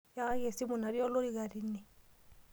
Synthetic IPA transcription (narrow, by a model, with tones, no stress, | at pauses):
ja˦je˨si˦mu˨na˨ɾi˦ɔ˦lo˦ɾi˦ɡa˨ɾi˨ni˨